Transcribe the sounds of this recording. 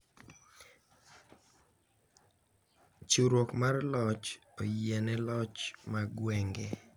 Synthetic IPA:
t͡ʃuɾwokmarlɔt͡ʃ | ojɛnɛlɔt͡ʃmaɡwɛŋɡe

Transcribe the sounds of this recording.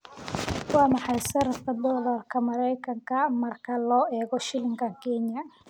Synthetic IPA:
wɑːmɑħɑjsɐɾɐt̪kʰɐd̪ɔlɐrkʰɐmɐɾɛjkʰɐŋkʰɐmɐrkʰɐlɔːʔɛːɣɔʃɪlɪŋɡʰɐŋkʰɛnjɐ

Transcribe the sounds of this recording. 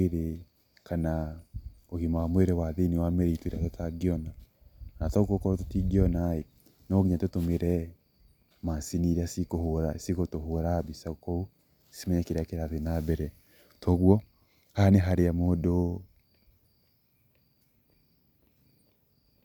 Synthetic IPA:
eɾe | kʰana | oɣimamweɾɛwaðiniwamɛɾitweɾatotaɡiɔna | nataɣokɔɾototiɡiɔnae | nɔɡiɲatotomeɾɛ | masiniɾeasikohoɾasiɣotoɦoɾabisaɣokɔu | si̥mɛɲɛkeɾeakeɾaðenabɛɾɛ | tɔɣwɔ | haneɦaɾeamodo

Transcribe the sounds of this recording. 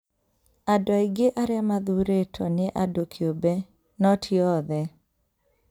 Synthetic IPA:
adaiɡeʔaɾjamaðuɾetʰɔnɪʔadokʰiobɛ | nɔtʰiɔðɛ

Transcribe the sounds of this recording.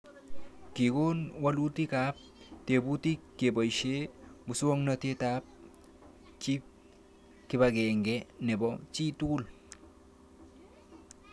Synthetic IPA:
kiɡonwalut̪ikap̚tebut̪ikːebəjʃebusuwoŋnət̪etaːp̚ | t͡ʃip̚ | kibaɡeŋɡenebot͡ʃituːl

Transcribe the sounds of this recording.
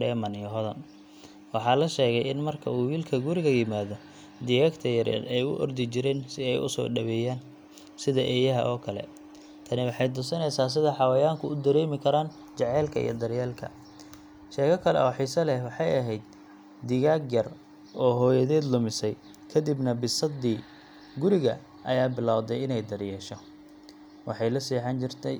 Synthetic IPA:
ɖɛːmɐnɪjɔɦɔðɐn | wɑħɑːlɐʃɛːɣɛjɪnmɐrkʰɐ̰uːwiːlkʰɐɡuɾɪɣɐjɪmaːðɔ | d̪ɪɣaːɡt̪ʰɐjɐɾɛ̰ːd̪ɛjʊ̰ʔɔrd̪ɪt͡ʃɪɾɛːnsɪɛjʊ̰sɔ̰ːɖɐβɛːjaːn | sɪðɐʔɛːjɐɦɐ̰ʔɔːkʰɐlɛ̰ | t̪ʰɐnɪwɑħɑjd̪ʊsɐnɛjsaːs̬ɪðɐħɑwɐjaːŋkʰʊʊd̪ɐɾɛːmɪkʰɐɾaːn | t͡ʃɛʕɛːlkʰɐḭjɔ̰d̪ɐɾjɛːlkʰɐ̰ | ʃɛːkɐkʰɐlɛ̰ʔɔːħiːsɐlɛhwɑħɑjɐɦɛjd̪̚ | d̪ɪɣaːɡjɐr | ɔːɦɔːjɐðɛːd̪lʊmɪsɛj | kʰɐd̪ibnɐbɪsɐd̪iː | ɡʊɾɪɣɐ̰ | ʔɐjaːbɪlaːwðɛjɪnɛjd̪ɐrjɛːʃɔ | wɑħɑjlɐsiːħɑnt͡ʃɪrt̪ʰɛj

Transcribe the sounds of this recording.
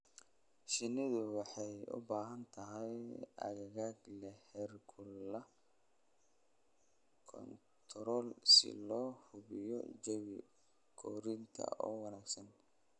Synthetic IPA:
ʃɪnɪðʊwɑħɑjʊ̰baːɦɐnt̪ʰɐɦɛjɐ̰ɣɐɣaːɡlɐhɛrkʰʊlɐ | kʰɔ̰n | t̪ʰɾɔːlsɪ̰lɔːhʊβɪjɔ̰d͡ʒɛwɪ̰ | kʰɔːɾint̪ʰɐ̰ɔ̰ːwɑnaːɡsɐn

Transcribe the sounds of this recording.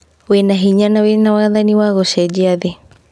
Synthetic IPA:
wenaɦiɲanawenawaaðaniwaɣɔʃɛd͡ʒiaði

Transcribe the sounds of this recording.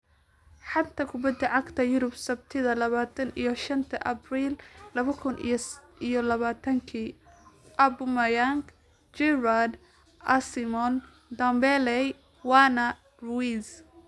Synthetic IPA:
ħɑd̪t̪ʰɐkʰʊbɐd̪ːɐʕɑɡt̪ʰɐjʊɾʊbsɐbt̪ʰɪðɐlɐβaːt̪ʰɐnijɞʃɐnt̪ʰɐʔɐbriːllɐβɐkʰʊnʔḭ | ijɔlɐβaːt̪ʰɐŋkʰiː | ʔɐbʊmɐjaŋk | d͡ʒɛɾad̪ | ʔɐsɪmɔn | d̪ɐmbɛlɛj | wɑːnɐ | rwis

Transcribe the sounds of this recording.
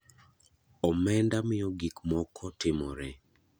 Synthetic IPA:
ɔmɛndamɪjɔɡikmɔkʰɔtɪmɔɾɛ

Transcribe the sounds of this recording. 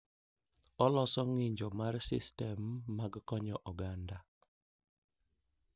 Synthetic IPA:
ɔlɔsɔŋɪɲd͡ʒɔmarsɪ̰stɛmːaɡkɔɲɔʔɔɡanda

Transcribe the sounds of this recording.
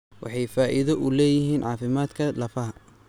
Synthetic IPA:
wʔɑ̰ħɑjfaːʔɪðɔʔʊlɛːjɪɦiːnʕɑːfɪmaːd̪kʰɐlɐfɐɦɐ

